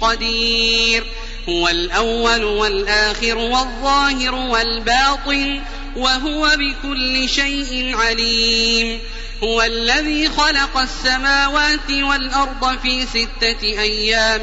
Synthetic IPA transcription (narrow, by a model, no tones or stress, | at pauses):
qɑd̪iːɾ | hʊwalʔawːalwalʔaːxɪɾwɑðˤːɑːhɪɾʊwalbɑːt̪ˤɨn | waɦʊwabɪkʊlːɪʃajʔɪnʕaliːm | hʊwalːaðiːxɑlɑqɑsːamaːwaːt̪ɪwalʔɑɾˤd̪ˤɑfiːsɪt̪ːaʔajːaːm